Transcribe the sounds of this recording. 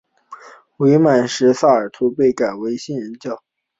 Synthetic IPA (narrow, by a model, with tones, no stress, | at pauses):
we˧˥ɪma˨˩nʂɻ̩˧˥sa˥˩ə˞˨˩t̪ʰu˧˥pe˥˩ɪka˨˩ɪwe˧˥ɪɕi˥˩nɻə˧˥nt͡ɕjɑ˥˩ʊ